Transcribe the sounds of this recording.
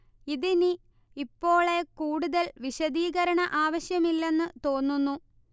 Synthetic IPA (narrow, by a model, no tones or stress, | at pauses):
iðini | ipːo̞ːɭe̞kuːɽuðɐlʋiɕɐðiːɣɐɾɐɳɐʔaːʋɐɕjɐmilːe̞nːɨt̪o̞ːnːunːu